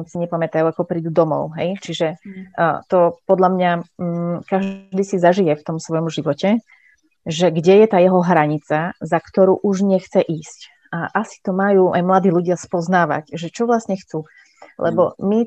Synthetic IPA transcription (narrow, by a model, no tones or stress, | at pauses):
siɲɛpamɛt̪ajuakɔpɾiːd̪ud̪ɔmɔ̰ʊɦɛ̰jt͡ʃiʒɛ | t̪ɔpɔd̪ʎamɲa | kaʒd̪iːsizaʒijɛft̪ɔmsʋɔjɔmʒiʋɔcɛ | ʒɛɡɟɛjɛt̪aːjɛɦɔɦɾaɲit͡sazakt̪ɔɾuːʔuʒɲɛxt͡sɛʔiːsc | aʔasi̥t̪ɔmajuːʔajmlad̪iːʎuɟɪaspɔznaːʋa̰cʒɛt͡ʃɔʋlasɲɛxt͡suː | lʔɛ̰bɔmi